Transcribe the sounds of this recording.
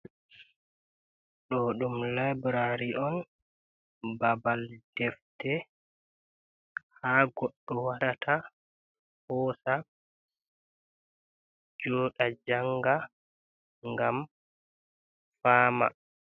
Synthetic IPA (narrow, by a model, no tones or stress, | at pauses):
ɗɔɗumlabɾaɾiʔɔn | babald̥ɛftɛ | haɡɔɗːɔwaɾatʰa | hɔːsa | d͡ʒɔːɗad͡ʒaŋɡa | ŋɡam | faːma̰